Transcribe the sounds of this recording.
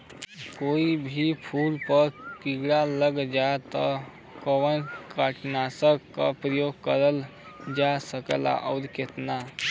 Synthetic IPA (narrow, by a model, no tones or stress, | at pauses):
koibʱipʰulpəɾkiɡɽaləɡd͡ʒat̪ɔ | kəwənkəʈnasəkːəpɾəjoɡkəɾəl | d͡ʒasəkə̰la̰ʔəwd̪ket̪na